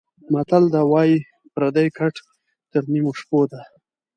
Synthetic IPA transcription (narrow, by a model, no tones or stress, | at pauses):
mat̪ald̪awɑji | pɾad̪ajkʰaʈ | t̪əɾnimoʂpod̪a